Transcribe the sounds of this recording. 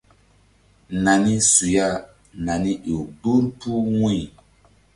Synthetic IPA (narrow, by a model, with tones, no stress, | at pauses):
na˨ni˦su˨ja˦˨ | na˨ni˦ʔi˨bu˦npu˦ŋĩ˦˨